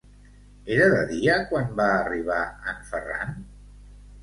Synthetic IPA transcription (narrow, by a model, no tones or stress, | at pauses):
eɾəðəðiəkwanbaːriβ̞aəmfəra̰n